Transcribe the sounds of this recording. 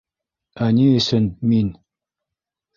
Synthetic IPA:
aniːsənmin

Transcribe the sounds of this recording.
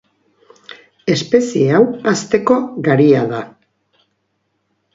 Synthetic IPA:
e̞spe̞sie̞awast̪e̞ko̞ɣaɾiaða

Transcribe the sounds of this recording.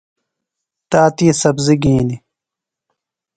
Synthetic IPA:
t̪aːt̪iːsɐbziɡĩːni

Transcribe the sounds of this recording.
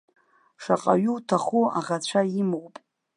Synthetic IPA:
ʂaqʼaɥuwtʰaχua̰ʁat͡ɕʷʰaimwpʼ

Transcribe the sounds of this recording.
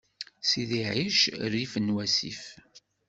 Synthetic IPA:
siðiʕiʃrːifənːwæsḭf

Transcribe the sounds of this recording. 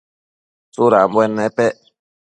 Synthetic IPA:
suɾam̩bwɛnːɛpɛ

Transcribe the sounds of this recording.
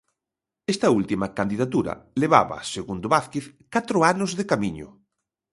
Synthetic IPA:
est̪ɐult̪imɐkand̪iðat̪uɾɐ̰leβa̰βɐ̰seɣund̪oβaθkeθkat̪ɾʊanʊzðekamiɲʊ̰

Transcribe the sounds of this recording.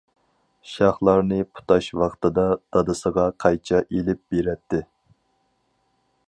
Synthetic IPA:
ʃɑχlˠɑɾnɨpʰu̥t̪ɑʃwɑqt̪ɨd̪ɑd̪̥ɑd̪ɨsəʁɑqʰɑjt͡ʃʰɛʔelɪp̚b̥eɾɛt̪ʰːɪ

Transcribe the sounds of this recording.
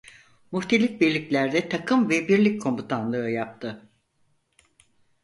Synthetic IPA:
muht̪ʰe̞lʲik̚biɾlʲiclʲæɾd̪ɛt̪ʰakʰɯmvɛbiɾlʲicʲkʰo̞mbut̪ʰanlˠɯɯjap̚t̪ʰɯ

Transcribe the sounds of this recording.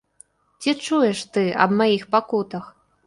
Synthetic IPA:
t͡sʲit͡ʂujɛʂt̪ɨɐ̰bmajixpakut̪ɐx

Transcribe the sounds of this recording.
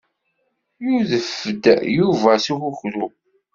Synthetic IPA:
juðəfəd̪juvæsixʊçɾu

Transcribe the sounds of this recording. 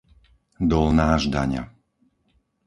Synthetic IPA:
d̪ɔlnaːʒd̪aɲa̰

